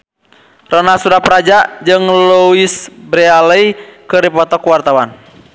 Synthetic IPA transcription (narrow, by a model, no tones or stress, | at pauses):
rɔnasuɾapɾad͡ʒad͡ʒɨŋluisbɾɛaləikɨrdipɔt̪ɔkuwart̪awan